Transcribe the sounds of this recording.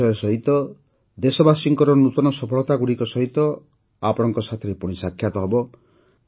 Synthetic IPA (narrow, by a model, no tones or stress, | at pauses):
ɔjɔsɔɦit̪ɔ | d̪esɔbasiŋkɔɾɔnut̪ɔnɔsɔpʰɔɭɔt̪aɡuɽikɔsɔɦit̪ɔ | apɔɽ̃ɔŋkɔsat̪ʰɔɾepuɽ̃isakʰːjat̪ɔɦebɔ